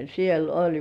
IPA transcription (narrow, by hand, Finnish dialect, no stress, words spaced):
siel olʲ